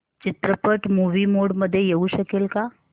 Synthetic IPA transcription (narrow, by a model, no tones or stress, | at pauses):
t͡ʃɪt̪ɾəpəʈmuːʋimoːɽməd̪ʱːjejɐuʃəkelka